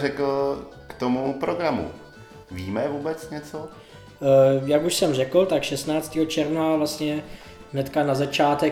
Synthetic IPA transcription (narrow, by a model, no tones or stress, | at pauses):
rɛkl̩kt̪omupɾoɡɾamṵ | viːmɛvuːbɛt͡sɲɛt͡so | jakuʃsɛmrɛkl̩t̪akʃɛst̪naːt͡st̪iːɦot͡ʃɛɾvnavlast̪ɲɛ | ɦnɛt̪kanazat͡ʃaːt̪ɛ